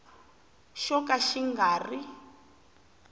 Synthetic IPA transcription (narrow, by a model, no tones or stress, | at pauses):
ʃɔkaʃiŋɡaːri